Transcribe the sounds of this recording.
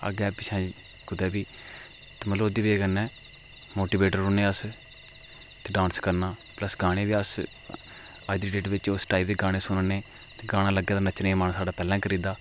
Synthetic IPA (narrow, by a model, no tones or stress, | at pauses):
ə̰ɡɛːpɪt͡ʃʰɛ̃ː | kʊd̪ɛːbiː | t̪ːməloːd̪iːʋieːɡənːɛː | moːʈiːbeːʈəɾʊnẽːəs | t̪eːɖãːnskəɾnaːpləsɡaːɽ̃eːʋiːəs | aːɪd̪ɾiːʈeːʈʋɪt͡ʃʊsʈaːip̚d̪eːɡaːɽ̃eːsʊnneː | t̪eːɡaːɽ̃ãːləɡːeːd̪ːnət͡ʃneːmaːnsaːɖaːpɛːlɛ̃ːkʰəɾiːd̪aː